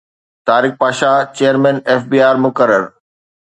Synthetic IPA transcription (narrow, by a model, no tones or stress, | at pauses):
t̪aːɾɪk̚paːʃat͡ɕejəɾmɛ̃ːneːfbiːaːɾmʊkəɾəɾ